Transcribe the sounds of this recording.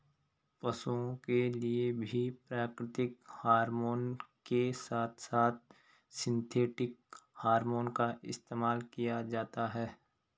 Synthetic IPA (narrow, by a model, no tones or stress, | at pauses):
pɐsuõkeliebʱipɾaːkɾɪt̪ɪk̚haːɾmoːnkesaːt̪ʰsaːt̪̚ | sɪ̃nt̪ʰeːʈɪk̚haːɾmoːnkaɪst̪eːmaːlkijad͡ʒaːt̪aɦɛː